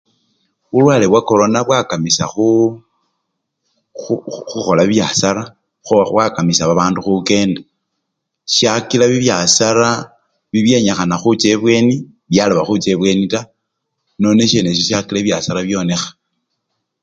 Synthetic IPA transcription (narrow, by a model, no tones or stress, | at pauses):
ulwaːlewako̞ɾo̞naβwakamisa̰xu | xuxo̞laβjasaɾa | βwakamisaβaβaːnduxuke̞ːnda | ʃjakilaβiβjasaɾa | βiβje̞ɲaxanaxut͡se̞βwe̞ni | βjaloβaxut͡seβwe̞nita | no̞neʃeneʃiʃakilaβjasaɾaβjo̞ne̞xḁ